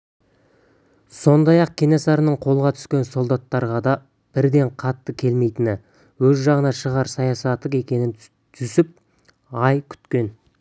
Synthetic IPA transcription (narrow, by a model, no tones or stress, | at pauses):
so̞nd̪ɑjɑq̚kʲʰenesɑɾənəɴqʰo̞lˠʁɑt̪ʰʏ̥skʲe̞nso̞lˠd̪ɑt̪ːɑɾʁɑd̪ɑ | b̥ɪɾd̪e̞ɴqʰɑt̪ːəkʲʰe̞lme̞jt̪ɪnɪ | wɵzʒɑʁənɑʃəʁɑɾsɑjɑsɑt̪ːəqe̞kʲe̞nɪn | t̪ʰʏsɪp̚ | ɑjkʲʰʏ̥t̪kʲe̞n